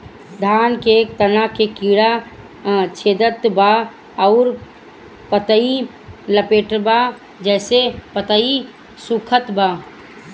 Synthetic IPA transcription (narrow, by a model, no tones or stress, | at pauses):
d̪ʱaːnket̪ənakekiːɽa | t͡ʃʰeːd̪ət̪ba | əʊɾ | pət̪əi | ləpeːʈba | d͡ʒɛːsepət̪əi | sukʰət̪baː